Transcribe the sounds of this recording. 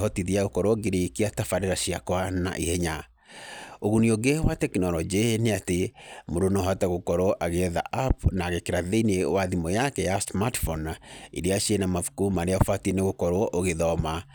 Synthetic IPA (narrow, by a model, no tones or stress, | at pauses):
ɔtiðiaɣokɔɾoɔɡeɾekiatafaɾeɾaʃiakwana̰ʔihɛɲa | oɣunioɡewatɛknɔlɔd͡ʒeneatemoɾonɔɦataɣokɔɾoɔʔaɣeɛða̰ʔapnaːɣekeɾaðeinewaðimɔjakɛjasmatfɔnaḭɾeaʃienamafu̥kumaɾeaofatieneɣokɔɾoɔʔoɣeðɔma